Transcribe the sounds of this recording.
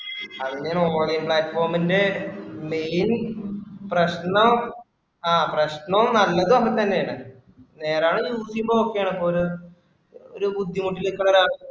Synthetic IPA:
ɐðinɲaːnoːlɡɐjnpɭaːtːfo̞ːrminde̞mejn | prɐɕɳɐ | aːprɐɕɳɐʋnɐlːɐðɨokːɐt̪ɐnːe̞jaːɳɨ | ne̞ːraːɳɨjuːsijumboːokːejaːɳipːooɾu | oɾubud̪ʱːimuʈːilekːɐɳɐɾaːɳ

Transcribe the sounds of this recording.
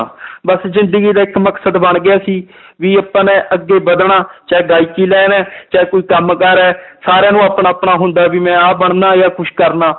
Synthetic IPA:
bəszɪ̃nd̪əɡiːd̪aːɪkməksəd̪bəɳɡɪjaːsiː | ʋiːəpːanɛ̃ːʔəɡːeːbəd̪ɳaːt͡ʃaɛɡaːiːkiːlɛːnɛːt͡ʃaːkoːiːkəmkəɾɛːsaːɾeːnũːaːpnaːpɳaːɦʊ̃nd̪aːbiːmɛ̃ːaːbəɳnaːjaːkʊʃkəɾnaː

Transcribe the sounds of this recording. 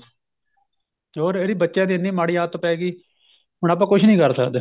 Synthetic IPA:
ɦoːɾeːɾiːbətːʃãːd̪iːnːiːmaːɽiːaːt̪ːoːpɛːɡiː | ɦʊɳaːp̬ãːkʊt͡ʃʰnĩːkəɾsəkd̪

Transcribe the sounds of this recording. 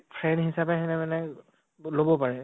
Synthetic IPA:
pʰɹɛndɦisapɛɦɛnɛmɛnɛ | lobɔpaɹɛ

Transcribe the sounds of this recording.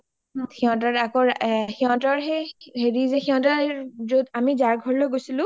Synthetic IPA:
xiɔ̃tɔɹakɔɹxiɦɔ̃tɔɹɦɛɦeɹizexiɦɔ̃tazodamizaɹɡʱɔɹilojɡojsilʊ̃

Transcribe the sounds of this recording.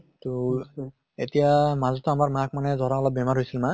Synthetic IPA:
to | etijamazɔtɔamaɹmak̚manɛzʱɔɹaɔlɔb̚bɛmaɹɦojsilma

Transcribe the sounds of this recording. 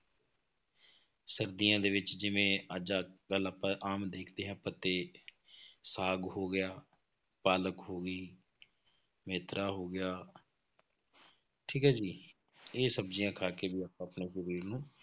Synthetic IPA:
səɾd̪ijãːd̪eːʋɪt͡ʃd͡ʒɪʋẽːəd͡ʒaːɡələpãːʔaːmd̪eːkʰd̪eːɦɛ̃ːpət̪eː | saːɡɦoːɡɪjaː | paːləkɦoːɡiː | meːt̪ɾʔaːɦoːɡɪjaː | ʈʰiːkaːd͡ʒiː | eːsəbd͡ʒijãːkʰaːkeːbiːapãːəpneːʃəɾiːɾnũː

